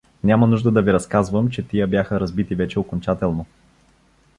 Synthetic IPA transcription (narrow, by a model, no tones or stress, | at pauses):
nʲamɐnuʒd̪əd̪ɐviɾɐskazvəmt͡ʃɛt̪ijəbjaxəɾɐzbit̪ivɛt͡ʃɛokont͡ʃat̪ɛlˠno